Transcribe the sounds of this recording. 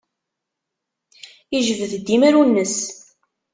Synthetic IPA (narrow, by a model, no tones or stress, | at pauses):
iʒəvðd̪ːimæɾunːəs